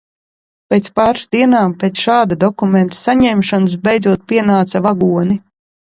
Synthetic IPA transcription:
pʲeːt̪spaːɾsd̪iɛnaːmpeːt̪sʃaːd̪ad̪ɔkument̪ḁsaɲɛmʃanɨs̬bɛjd̪zuɔt̪̚pʲiɛnaːt̪savaɡuɔni

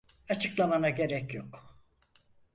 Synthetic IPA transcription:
at͡ʃʰɯklˠamanaɟe̞ɾɛcjok

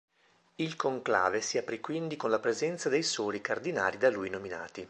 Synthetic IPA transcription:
ilkoŋkla̰ːvesiapɾikwind̪ikonlapɾezɛnt̪sad̪ejsoːlikard̪ina̰ːlid̪alujnomina̰ːt̪i

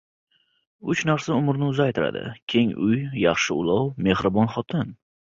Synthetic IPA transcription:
ʊt͡ʃnaɾsaʊmɾnɪʊzajt̪ʰɪɾa̰d̪ɪ̰kʲʰe̞ŋʊjjɑχʃɪʊ̰lˠɒwme̞hɾɪbɒnχɒt̪ʰɪn

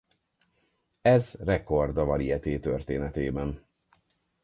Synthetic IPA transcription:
ɛzrɛko̞rd̪ɒvɒliɛt̪eːt̪ørt̪eːnɛt̪eːbɛn

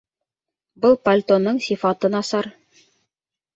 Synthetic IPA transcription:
bɤlˠpɐlʲt̪onːɤɴsifɑt̪ɤnɑsɑɾ

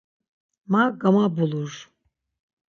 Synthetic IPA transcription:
maɡamabulˠuɾ̥

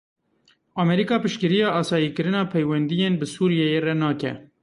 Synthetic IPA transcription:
ʔɑmɛɾikɑːpɨʃkɨɾijɑːʔɑːsɑːjiːkɨɾɨnɑːpʰɛjwɛnd̪ijeːnbɨsuːɾijɛjerɛnɑːkɛ̰

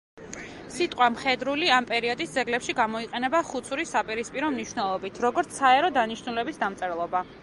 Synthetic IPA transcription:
sit̪ʼqʼwamχɛd̪ɾuliampʼɛɾiɔd̪isd̪zɛɡlɛpʃiɡamɔiqʼɛnɛbaχut̪sʰuɾisapʼiɾispʼiɾɔmniʃnɛlˠɔbit̪ʰɾɔɡɔɾt̪sʰaɛɾɔd̪aniʃnulɛbisd̪amt̪sʼɛɾlˠɔba

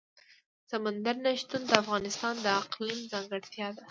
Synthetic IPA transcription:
samand̪aɾnaʃt̪und̪əafɣɑnɪst̪ɑnd̪əaqlinzɑŋɡɪɽt̪jɑd̪a

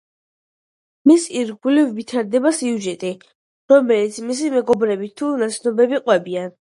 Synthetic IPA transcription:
misiɾɡulivːit̪ʰaɾd̪ɛbasiuʒɛt̪ʼi | ɾɔmɛlit̪sʰmis̬imɛɡɔbɾɛbit̪ʰunat̪sʰnɔbɛbiqʼwɛbian

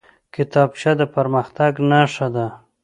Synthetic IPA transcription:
kɪt̪ɑbʃad̪əpaɾməxt̪aɡnaʂad̪a

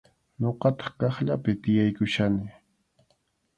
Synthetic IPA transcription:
ɲoqɑt̪ɑ̥χkɑχʎapɪt̪ɪjajkʊʃanɪ

